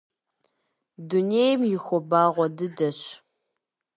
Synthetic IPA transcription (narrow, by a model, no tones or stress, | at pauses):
dunejmjɪxʷɔbaːʁʷɔdɨdɐɕ